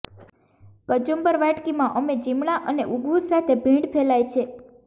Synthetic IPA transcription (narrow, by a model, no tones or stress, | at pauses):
kəd͡ʒombəɾʋaʈkimãʔəmed͡ʒimɽaʔəneʔuɡʋusat̪ʰebʱĩɳɖpʰelajt͡ʃʰe